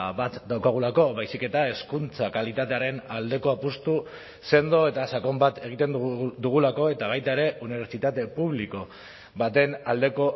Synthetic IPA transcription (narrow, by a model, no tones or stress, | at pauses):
bat̪d̪awkaɣ̞ulako̞βajsike̞t̪ae̞skunt͡sakalit̪at̪e̞aɾe̞nald̪e̞ko̞apust̪u | se̞nd̪o̞e̞t̪asako̞mbat̪e̞ɣ̞it̪e̞nd̪ud̪uɣ̞ulako̞e̞t̪aβ̞ajt̪aeɾe̞uniβe̞ɾt͡sit̪at̪e̞puβ̞liko̞ | βat̪e̞nald̪e̞ko̞